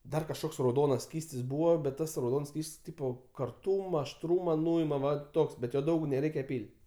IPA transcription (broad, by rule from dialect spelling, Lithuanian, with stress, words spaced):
ˈdɐr kɐʃˈkoːks rɐʊˈdoːnɐs ˈsʲkʲiːsʲtʲɪs ˈbuːʋoː bʲɛt ˈtɐs rɐʊˈdoːns ˈsʲkʲiːsʲtʲsʲ ˈtʲiːpoː kɐrˈtuːmɐ ɐʃˈtruːmɐ ˈnʊɪmɐ ˈʋɐ ˈtoːks bʲɛt ˈjoː ˈdɐʊk nʲɛˈrʲɛɪkʲɛ ˈpʲiːlʲ